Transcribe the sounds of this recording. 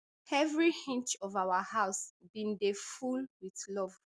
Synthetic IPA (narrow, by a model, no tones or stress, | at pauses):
ɛvɹihĩnt͡ʃɔvawəhaʊsbĩndefulwiθlɔv